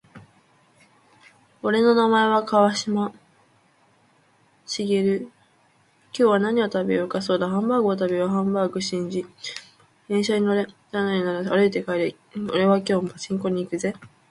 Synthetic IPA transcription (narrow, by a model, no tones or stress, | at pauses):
o̞ɾe̞no̞namae̞βakaβaɕima | ɕiɡeɾɯ̟ | kʲo̞ːβanaɲ̟io̞t̪abeokasoːd̪aɦãmbaːɡɯot̪abeβaɦãmbaːɡɯ̟ɕĩɲ̟d͡ʑi̥ | ẽ̞ɰ̃ɕaɲ̟ino̞ɾe̞d̪anaɲinaɾaaɾɯ̟it̪e̞kaiɾe | oɾe̞βak̬ʲo̞ːmat͡ɕĩŋko̞ɲ̟iːkɯ̟ze̞